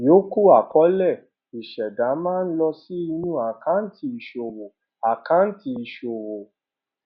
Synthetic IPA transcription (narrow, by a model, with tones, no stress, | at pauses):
jo˨˦ku˦a˨kɔ˨˦lɛ˦˨ | i˨ʃɛ˨da˨˦mãː˦˧n̩˦lɔ˧si˦i˧nũ˦˨a˨kã˨˦n̩˦ti˧i˧ʃo˨wo˨ | a˨kã˨˦n̩˦ti˧˦i˧ʃo˨wo˨